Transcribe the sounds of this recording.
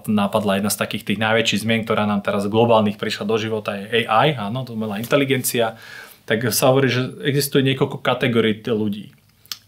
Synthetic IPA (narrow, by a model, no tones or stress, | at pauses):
t̪nnːaːpad̪lajɛd̪nast̪akiːxt̪iːɣnajʋɛt͡ʃiːɣzmɪɛnkt̪ɔɾaːnaːmt̪ɛɾazɡlɔbaːlniːxpɾiʃlad̪ɔʒiʋɔt̪ajɛɛjʔajaːnɔt̪ɔmɛlaːint̪ɛliɡɛnt͡siat̪aksaɦɔʋɔɾiːʒɛɛɡzist̪ujɛɲɪɛkɔlkɔkat̪ɛɡɔɾiːluɟḭː